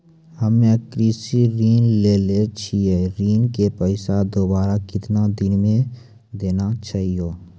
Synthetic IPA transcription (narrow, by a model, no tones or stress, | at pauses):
həmẽkɾiːsiɾiːnleːlet͡ʃʰieɾiːnkepəɪsad̪oːbaːɾakɪt̪nad̪ɪnmẽ | d̪eːnat͡ʃaːɦijoː